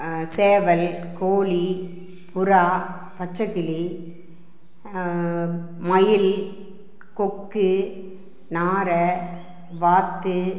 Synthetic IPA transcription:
seːʋɐlkoːli | pʊɾaː | pɐt͡ʃːɐɣɪli | mɐjɪl | kɔkːɯ | naːɾɐ | ʋaːt̪ːɯ

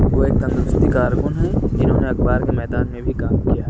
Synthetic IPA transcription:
ʋoeːk̚t̪ɐ̃nd̪ɾʊst̪ikaːɾkʊnɦɛd͡ʒɪnɦõːneɐkbaːɾkemɛːd̪aːnmẽbʱikaːmkijaːɦɛ

